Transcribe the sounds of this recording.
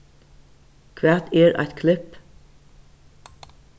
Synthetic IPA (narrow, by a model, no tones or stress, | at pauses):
kʰʋæːt̪eːɹʔɑ̰ɪt̪kʰlɪp